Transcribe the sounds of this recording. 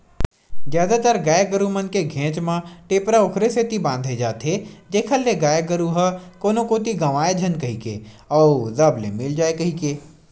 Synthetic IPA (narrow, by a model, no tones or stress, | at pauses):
zjaːd̪at̪əɾɡaːjəɡəɾumənkeɡʱẽːt͡ʃmãʈeːpɾaʊkʰɾeset̪ibãːnd̪ʱed͡ʒaːt̪ɦed͡ʒeːkʰəlːeɡaːjəɡəɾuɦɐkoːnokoːt̪iɡɐʋaːed͡ʒʱɐnkɐɦikḛː | ɔːzɐblḛmɪld͡ʒaːekɐɦikeː